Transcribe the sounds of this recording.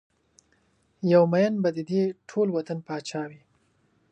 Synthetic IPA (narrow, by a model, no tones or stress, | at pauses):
jawmajənbad̪əd̪eʈʰolwat̪anpɑt͡ʃɑwi